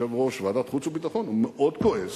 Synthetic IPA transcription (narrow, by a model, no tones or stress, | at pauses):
evʁoʃvad̪at̪χut͡subit̪aχonumeʔod̪koez